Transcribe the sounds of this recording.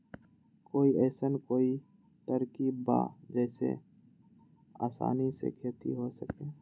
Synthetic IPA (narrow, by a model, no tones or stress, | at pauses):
koːiɛːsənkoːi | t̪əɾkiba̰ːd͡ʒɛːsḛ | aːsa̰ːnisḛkʰeːt̪ḭɦosəkeː